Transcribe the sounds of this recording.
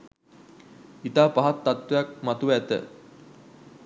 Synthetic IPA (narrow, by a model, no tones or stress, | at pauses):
it̪aːpaɦat̪ːat̪wejak̚mat̪uʋæt̪ə̰